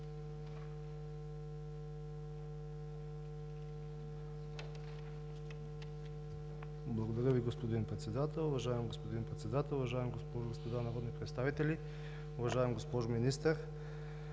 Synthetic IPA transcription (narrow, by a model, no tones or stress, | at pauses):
blˠɐɡod̪ɐɾʲjəviɡospod̪inpɾɛt̪sɛd̪at̪ɛlˠʊvɐʒaɛmɡospod̪inpɾɛt̪sɛd̪at̪ɛlˠʊvɐʒaɛmɡospɔʒoɡospod̪anaɾod̪nipɾɛt̪st̪avit̪ɛlʲi | ʊvɐʒaɛmɡospɔʒominist̪əɾ